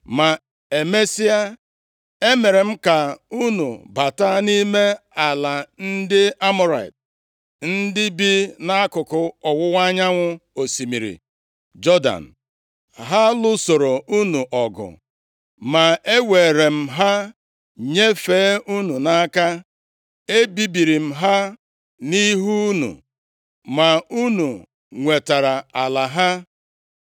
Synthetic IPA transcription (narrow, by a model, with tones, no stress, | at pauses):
ma˨ | e˨me˦si˦a˦ | e˦me˨ɾe˨m̩˦ka˨u˦nṵ˨ba˨ta˦ni˦me˦a˨la˨n̩˦dɪ˦a˦mʊ˦ɾa˨ḭ˨t | n̩˦dɪ˦bi˦na˦a˦kʊ˨kʊ˦ɔ˨wʊ˦wa˦ɲa˦ŋʷʊ˦o˨si˨mi˨ɾḭ˨ | d͡ʒɔ˦da̰˨n̩˨ | ɦa˦lʊ˦so˨ɾo˨u˦nu˨ʔɔ˨ɡʊ̰˨ | ma˨e˦we˨ɾe˨m̩˨ɦa˦ | ɲe˦feː˨˦ʔu˦nu˨na˦ka˦ | e˦bi˦bi˨ɾi˨m̩˦ɦa˦ | ni˦ɦu˦nṵ˨ | ma˨u˦nu˨ | ŋʷe˨ta˨ɾa˨a˨la˨ɦa˦